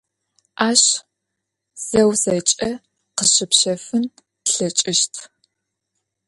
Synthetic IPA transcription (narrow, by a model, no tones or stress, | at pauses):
ʔaːɕ | z̥ɐwzɐt͡ʃʼɐ | qəɕɪpʃɐfɨn | ɬɐt͡ʃʼɪʃtʰ